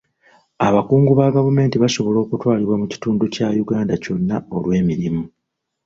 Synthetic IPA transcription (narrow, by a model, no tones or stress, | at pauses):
aβakuːŋɡuβaɡavume̞ːntiβaʃo̞βo̞lo̞ːkutwaːliβwamuci̥tuːnducajuɡaːndaco̞nːao̞lwe̞ːmiɾimu